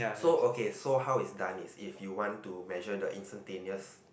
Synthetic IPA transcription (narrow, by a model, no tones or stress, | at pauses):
sookesoɦawisdãnisifjuwɔ̃ntumɛʒədəʔḭ̃nstə̃ntẽniəs